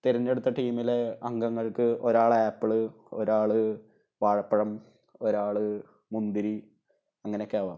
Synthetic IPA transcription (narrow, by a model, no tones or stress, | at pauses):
t̪iɾɐnːe̞ɽut̪ːɐʈiːmileɐŋɡɐŋːɐɭkɨʔo̞ɾaːɭaːpːɨɭɨ | oɾaːɭɨ | ʋaːɻɐpːɐɻɐm | o̞ɾaːɭɨ | mund̪iɾi | ɐŋːɐnekːaːʋa̰ːm